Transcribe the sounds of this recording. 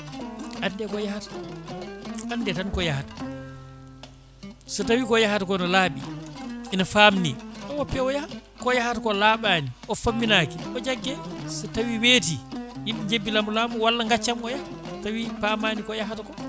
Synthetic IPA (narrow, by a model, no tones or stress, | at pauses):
ʔandɛkɔjahatḁ | andɛtankɔjahatḁ | sɔtawikɔjahatakɔinɔlaːɓḭʔinafaːmnḭɗɔwɔpːɛwɔjaha | kɔjahatakɔlaːɓaniʔɔfamːinaːkiʔɔd͡ʒaɡːɛsɔtawiweːtiimɓɛd͡ʒebːilamulaːmuwalːaŋɡat͡ʃːamɔjaa | tawipamanikɔjaɦatakɔ